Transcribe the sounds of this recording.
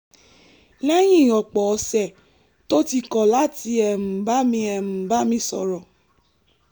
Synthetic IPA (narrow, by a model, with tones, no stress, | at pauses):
lɛ˦j̃ĩ˦˨ɔ˨k͡pɔ˨ɔ˧sɛ˨ | to˦ti˧kɔ˨la˦ti˧ɛ˧˨m̩̃˨ba˦mĩ˧ɛ˨m̩̃˨ba˦mĩ˧sɔ˨ɾɔ˨